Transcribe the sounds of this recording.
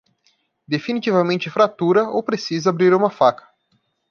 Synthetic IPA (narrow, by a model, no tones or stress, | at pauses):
d̪efinit͡ʃ̪ivɐmẽnt͡ʃɪfɾat̪uɾɐo̰wpɾesizɐabɾiɾũmɐfakɐ̥